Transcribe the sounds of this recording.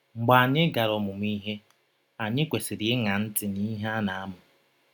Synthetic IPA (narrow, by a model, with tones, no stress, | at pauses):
ŋ͡m̩˨ɡ͡ba˨a˨ɲɪ˦ɡa˨ɾɔ˨mʊ˨m˦i˦ɦe˦ | a˨ɲɪ˦kʷe˨si˨ɾe˦ŋa˨n̩˦tɪ˨ni˦ɦa˦na˨a˦mʊ˨